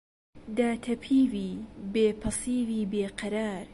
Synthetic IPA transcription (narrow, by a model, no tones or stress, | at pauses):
d̪aːt̪ʰɐpʰiːviːbeːpʰɨsiːviːbeːqɐɾaːɾ